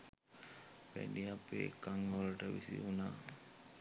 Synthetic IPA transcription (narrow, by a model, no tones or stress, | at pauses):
pæ̰ɖiapḛkaŋələʈəʋisḭunaː